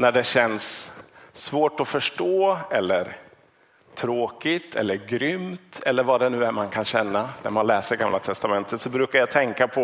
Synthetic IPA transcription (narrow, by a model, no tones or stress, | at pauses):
næɖɛɕɛnsː | voːʈɔfœʂʈoːɛlːəɾ | t̪ʰɾoːkɪt̪ʰɛ̰lːəɾɡɾʏmt̪ʰɛlːəɾvaɖɛnʉ̟ːæɾmankʰanɕɛnːanæ̰ɾmanlɛːsəɾɡamlat̪ʰɛst̪amɛnt̪ʰət̪sɔbɾʉ̟ːkajɑt̪ʰɛŋkapʰɔ